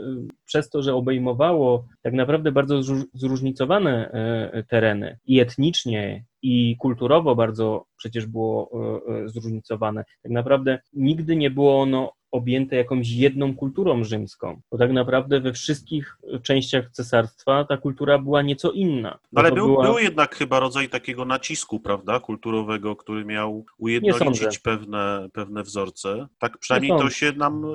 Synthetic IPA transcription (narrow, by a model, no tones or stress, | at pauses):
pʂɛst̪ɔʐɛɔbɛjmɔvawɔt̪aknapɾavd̪ɛbaɾd̪zɔzzɾuʐɲit̪sɔvanɛt̪ɛɾɛnɘ̰iɛt̪ɲit͡ʂɲɛ | ikult̪uɾɔvɔbaɾd̪zɔpʂɛt͡ɕɛʐbɘwɔ | zɾuʐɲit̪sɔvanɛt̪aknapɾavd̪ɛɲiɡd̪ɘɲɛbɘwɔɔnɔː | bʲjɛnt̪ɛjakɔ̃w̃ɕ̬jɛd̪nɔ̃w̃kult̪uɾɔ̃w̃ʐɘmskɔ̰̃w̃bɔt̪aknapɾavd̪ɛvɛfʂɘst̪̚kʲixt͡ʂɛ̃w̃ɕt͡ɕaxt̪sɛsaɾst̪fat̪akult̪uɾabɘwaɲɛt̪sɔʔinːa̰nalɛɔbbɘbɘwabɘwjɛd̪̚nakxɘbaɾɔd̪zajt̪akʲɛɡɔnat͡ɕiskupɾavd̪akult̪uɾɔvɛɡɔkt̪uɾɘmʲjawujɛd̪ɲɛɔlɔ̃nt͡ɕ̪ziɛt͡ɕpɛvnɛpɛvnɛvzɔɾt̪sɛt̪ak̚pʂɨnajmɲejɔnɔɕɛnam